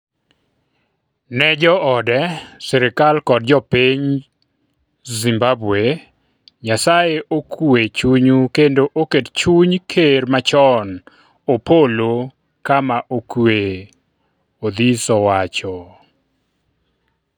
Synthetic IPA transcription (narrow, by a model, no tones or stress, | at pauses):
nɛd͡ʒɔʔɔdɛsɛɾɪkalkɔdd͡ʒɔpeɲ | zimbabwe | ɲasajeʔokʰwet͡ʃuɲukendoʔokett͡ʃuɲkʰeɾmat͡ʃɔn | opolo | kamaʔokwe | od̪isɔwat͡ʃɔ